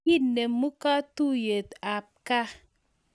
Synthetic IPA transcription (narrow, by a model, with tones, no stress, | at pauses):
i˦ne˨mmu˦ka˦tu˦je˨ta˨p̚ka˦